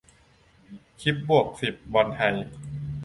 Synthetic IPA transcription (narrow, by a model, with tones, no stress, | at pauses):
kʰi˦˥p̚bu˨˩ək̚si˨˩p̚wa˧nha˧j